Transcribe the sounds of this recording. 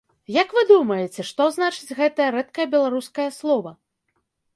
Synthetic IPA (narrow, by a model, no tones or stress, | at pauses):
jɐkvɨd̪umɐjɛt͡sʲɛʂt̪ɔznat͡ʂɨd͡zʲɣɛt̪ɐjɐɾɛt̪̚kɐjɐbʲɛlˠaɾuskɐjɐslˠɔvɐ